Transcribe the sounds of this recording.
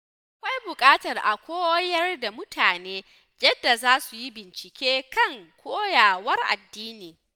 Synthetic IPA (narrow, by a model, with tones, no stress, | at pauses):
ʔa˨kʷa˦jbʊ˨kʼaː˦tɐ˨rʔa˨kʷoː˦wjɐ˦rda˨mʊ˦taː˨neː˦ | d͡ʒɐɛ˦dːa˨zaː˦su˨ji˦bɪ˨nt͡ʃɪ˨kʲeː˦kɐ˦˨ŋkʷʰoː˦jaː˨wɐ˦rʔa̰˨dːiː˦niː˨